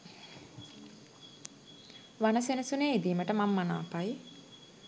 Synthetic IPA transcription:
ʋanɐsenɐsuneːid̪iːməʈəmamːana̰ːpaj

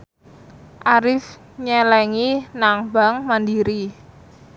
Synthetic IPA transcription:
ʔaɾɪf | ɲɛlɛŋinaŋba̤ŋmandiɾi

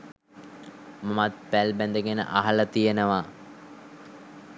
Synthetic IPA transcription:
mamat̪̚pælbænd̪əɡenə̰ʔaɦɐlət̪ijenəʋa

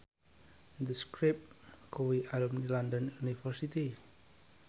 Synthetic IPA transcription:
d̪əskɾip̚kowiʔalumnilandənunifərsit̪i

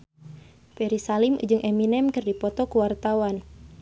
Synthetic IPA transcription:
pɛɾisalimṵd͡ʒɨŋʔɛminɛmkɨrdipɔt̪ɔkuwart̪awan

